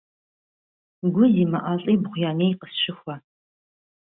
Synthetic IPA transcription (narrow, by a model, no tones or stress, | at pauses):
ɡʷʊziːmɐʔaːɬʼiːbʁʷjaːneːjqəsʃɪxʷɐ